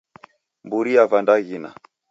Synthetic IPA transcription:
mbuɾiavandaɣina̰

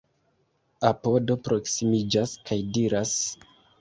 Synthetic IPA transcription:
apo̞do̞pɾo̞ksimid͡ʒaskʰajdiɾas

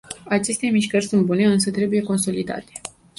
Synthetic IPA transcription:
at͡ʃe̞st̪e̞miʃkərʲsunt̪̚bune̞ɨns̬ət̪ɾe̞buje̞ko̞nso̞lid̪a̰t̪e̥

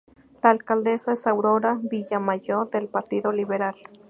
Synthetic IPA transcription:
laːlkald̪esaesawɾoɾabijamajoðelpaɾt̪iðoliβeɾal

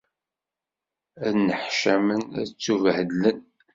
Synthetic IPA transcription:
ænːəħʃæmənæt͡sːuvəhd̪lən

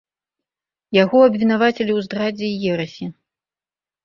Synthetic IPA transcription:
jaɣɔɐbvʲin̪avat͡sʲelʲiwzd̪ɾad͡zʲɛijɛɾɐsʲi

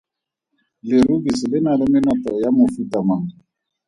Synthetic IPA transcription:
lɪɾubisɪlɪnalɪmɪnɔtɔjamofutamaŋ

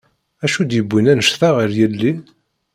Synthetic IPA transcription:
æʃud̪jəbʷːinænəʃθaʁəɾjəlːi

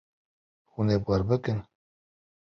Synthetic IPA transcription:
hunepwaɾbɨkɨn

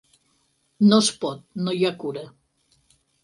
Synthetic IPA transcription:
nospɔt̪̚nojakuɾə

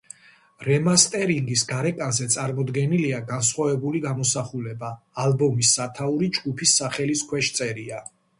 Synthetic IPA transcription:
ɾɛmast̪ʼɛɾiŋɡisɡaɾɛkʼanzɛt̪sʼaɾmɔd̪ɡɛniliaɡansχwavɛbuliɡamɔsaχulɛbaː | lbɔmisːat̪ʰauɾid͡ʒɡupʰisːaχɛliskʰwɛʃt̪sʼɛɾia

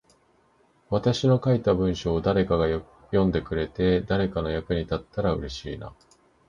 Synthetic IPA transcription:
βat̪aɕino̞kait̪abɯ̟̃ɰ̃ɕo̞ːd̪aɾe̞kaɡaj | jõ̞nd̪e̞kɯ̟ɾe̞t̪e̞d̪aɾe̞kano̞jakɯ̟ɲ̟it̪at̪ːaɾaɯ̟ɾe̞ɕiːna̰

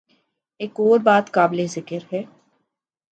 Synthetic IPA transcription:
eːkoːɾbaːt̪kaːblezɪkəɾɦɛː

